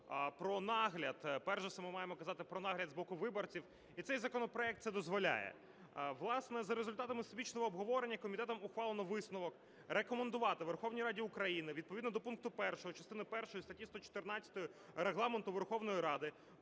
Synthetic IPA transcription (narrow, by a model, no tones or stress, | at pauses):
pɾɔnɑɦlʲɐd̪pɛrʃɛsɛmɪmɑjemɔkɐzɑt̪ɪpɾɔnɑɦlʲɐd̪zbɔkʊʋɪbɔrt͡sʲiw | it̪sɛjzɐkɔnɔpɾɔɛk̚t̪sɛd̪ɔzʋɔlʲa̰jɛ̰ | ʋlˠɑsnɛzɐɾezʊlʲt̪ɑt̪ɐmɪst̪bʲit͡ʃnɔɦɔːbɦɔʋɔɾenʲːɐkɔmʲit̪ɛt̪ɔmʊxʋɑlˠenɔʋɪsnʊʋɔk | rekɔmend̪ʊʋɑt̪ɪʋerxɔwnʲijɾɑdʲiʊkɾɐjinɪʋʲid̪̚pɔʋʲid̪nd̪ɔpunk̚t̪ʊpɛrʃɔɦɔt͡ʃɐst̪ɪnɪpɛrʃɔjist̪ɐtʲist̪ɔt͡ʃɔ̥t̪ɪrnat͡sʲɐ̥t̪ɔjʊ | ɾeɦlˠɑment̪ʊʋerxɔʋnɔjiɾɑd̪ɪ